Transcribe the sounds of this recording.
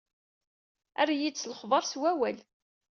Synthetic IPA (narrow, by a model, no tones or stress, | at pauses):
æ̰rajid̪sləχðˤɑɾˤswæwæl